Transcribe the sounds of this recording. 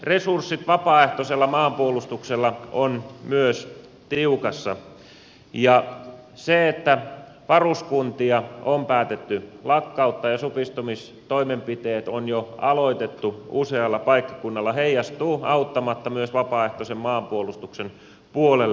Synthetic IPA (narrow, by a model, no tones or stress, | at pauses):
resursːit̪ʋɑpɑːeht̪oselːɑmɑːmpuolust̪ukselːɑonmyøs | t̪iukɑsːɑ | jɑ | seet̪ːæ | ʋɑruskunt̪iɑompæːt̪et̪ːylɑkːɑut̪ːɑjɑsupist̪umis | t̪oimempit̪eːt̪onjoɑloit̪et̪ːuuseɑlːɑpɑikːɑ̥kunːɑlːɑheijːɑst̪uːɑut̪ːɑmɑt̪ːɑmyøsʋɑpɑːeht̪osemmɑːmpuolust̪uksen | puolelː